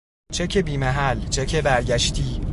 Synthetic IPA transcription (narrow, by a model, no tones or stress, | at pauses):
t͡ʃʰecʰebiːmæɦælt͡ʃʰecʰebæɾɟæʃt̪ʰiː